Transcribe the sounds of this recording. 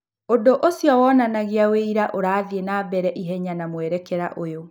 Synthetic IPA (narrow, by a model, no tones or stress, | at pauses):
odoʔosjɔwɔːnanaɣiaweiɾaʔoɾaːðienaːbɛɾɛʔiɦɛɲanamwɛɾɛkɛɾaʔojo